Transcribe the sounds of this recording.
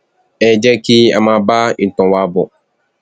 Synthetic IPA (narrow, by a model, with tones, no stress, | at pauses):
ɛ˨d͡ʒɛ˦ki˦a̰˨mã˨˦ba˦i˨n˨tɔ̃˨wa˦bɔ˨